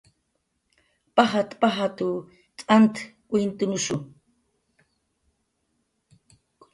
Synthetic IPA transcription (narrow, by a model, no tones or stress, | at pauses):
paɦat̪paɦat̪u | t͡sʼant̪kʷʼwint̪ʊnʊʃʊ